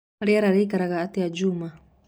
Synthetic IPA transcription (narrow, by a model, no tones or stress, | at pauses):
ɾiaɾaɾɛikaɾaɣaːtiad͡ʒuma